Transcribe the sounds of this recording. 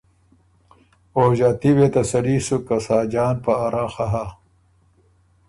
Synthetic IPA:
oːʑaːt̪iwet̪ɐsɐɽiːsukɐsaːd͡ʑaːnpɐːɾaxaɦa

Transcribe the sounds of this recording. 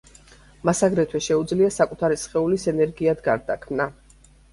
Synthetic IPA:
masaɡɾɛt̪ʰwɛʃɛud̪zliasakʼut̪ʰaɾisχɛulisɛnɛɾɡiad̪ɡaɾd̪akʰmna

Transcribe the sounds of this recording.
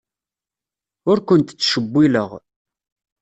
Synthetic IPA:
ʊɾkʷʊnt̪t͡sːʃəbːiləʁ

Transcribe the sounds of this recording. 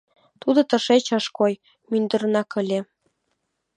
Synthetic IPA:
t̪ud̪ɤ̆t̪ɤ̆ʃet͡ɕɤʃkoj | mynd̪ɤ̆ɾnɑkə̆lʲe

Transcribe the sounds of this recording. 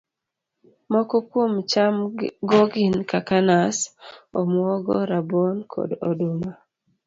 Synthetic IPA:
mɔkɔkomt͡ʃamɡɔɡinkakanasomwɔɡɔ̰ɾabonkʰɔ̰do̰duma

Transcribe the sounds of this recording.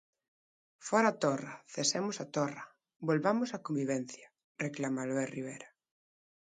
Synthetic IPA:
fɔɾaːt̪ɔrɐθesemʊsat̪ɔrɐ | bolβamʊsakõmbiβ̞ɛn̟θjɐ | reklamaloeriβ̞ejɾa

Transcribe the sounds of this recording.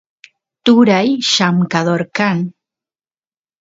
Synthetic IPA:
t̪uɾajʃamkaðoɾkan

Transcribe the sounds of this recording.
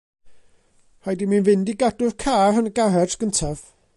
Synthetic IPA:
hajdiminvɪndiɡadʊrkʰaːrənəɡarɛdɡ̥əntʰav

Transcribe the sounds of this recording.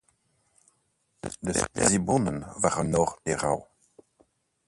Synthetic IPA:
dəspla̰zibɔnənvaʁənɔʁd̥eʁa̰w

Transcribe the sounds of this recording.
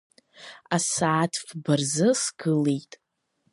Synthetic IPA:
asaːtʰfbarzɨsɡɨlejtʼ

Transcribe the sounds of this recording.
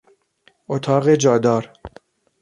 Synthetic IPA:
ʔot̪ʰɒːɣed͡ʒɒːd̪ɒːɾ

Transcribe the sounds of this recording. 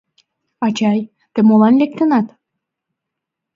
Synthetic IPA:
ɑt͡ɕɑj | t̪ĕmolɑnlek̚t̪ə̆nɑt̪

